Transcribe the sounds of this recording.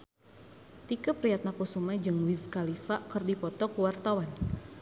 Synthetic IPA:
t̪ikəpɾiat̪̚nakusumad͡ʒɨŋwizkalifakɨrdipɔt̪ɔkuwart̪awan

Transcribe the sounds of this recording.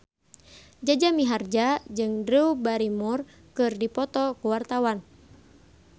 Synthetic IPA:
d͡ʒad͡ʒamiɦard͡ʒad͡ʒɨŋdɾiubaɾimur | kɨrdipɔt̪ɔkuwart̪awan

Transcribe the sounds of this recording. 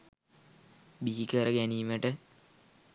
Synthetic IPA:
biːikəɾəɡæniːməʈə

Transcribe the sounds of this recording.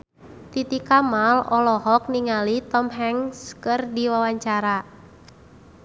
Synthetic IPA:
t̪it̪ikamalɔlɔɦɔk̚niŋalit̪ɔmɦɛŋskɨrdiwawaɲt͡ʃaɾa

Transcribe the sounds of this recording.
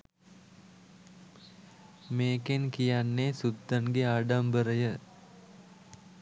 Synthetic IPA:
meːkenkijanːesud̪ːənɡeaːɖambəɾəjə

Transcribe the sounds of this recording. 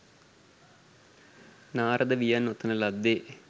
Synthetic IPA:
naːɾɐd̪ɐʋijanot̪ːɐnɐlɐd̪ːe

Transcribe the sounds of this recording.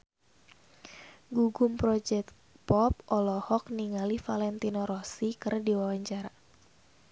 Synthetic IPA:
ɡuɡʊmpɾɔd͡ʒɛk̪̚ | pɔp̚ɔlɔhɔk̚niŋalifalɛnt̪inɔɾɔsikɨrdiwawaɲt͡ʃaɾa

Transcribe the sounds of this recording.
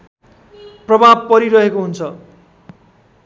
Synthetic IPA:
prʌbʱab̚pʌɾiɾʌɦekoɦunt͡sʰʌ

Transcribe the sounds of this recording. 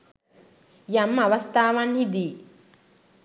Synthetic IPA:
jɐmːɐʋɐst̪aːʋɐnhid̪iː

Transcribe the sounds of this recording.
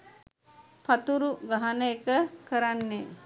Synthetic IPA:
pat̪uɾuɡaɦanəekəkəɾanːe

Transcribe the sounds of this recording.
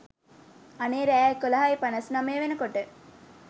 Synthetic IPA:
ɐneːɾæːekːolɐɦaipɐnɐsnɐmeːʋenəkoʈə

